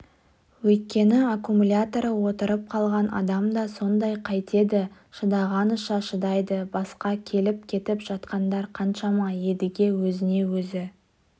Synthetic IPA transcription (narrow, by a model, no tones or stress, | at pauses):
wɵjt̪̚kʲe̞nɪakumulʲat̪o̞ɾəwo̞t̪əɾəp̚qʰɑlˠʁɑnʔɑ̰d̪ɑmd̪ɑso̞nd̪ɑjqʰɑjt̪e̞d̪ɪ | ʃəd̪ɑʁɑnəʃɑʃəd̪ɑjd̪əbɑsqɑkʲʰe̞lɪp̚kʲʰe̞t̪ɪpʒ̥ɑt̪qɑnd̪ɑɾqʰɑnʃɑmɑje̞d̪ɪɡʲe̞wɵzɪne̞wɵzɪ